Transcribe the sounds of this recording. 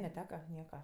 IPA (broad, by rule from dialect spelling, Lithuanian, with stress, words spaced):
nʲɛˈtʲæːkɐ ˈnʲiɛkɐ